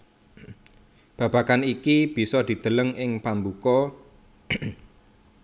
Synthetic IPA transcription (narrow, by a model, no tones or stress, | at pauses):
b̥ä̤b̥ä̤kanikib̥i̤sɔd̪̥i̤d̪̥ə̤ləŋʔɪŋpambukɔ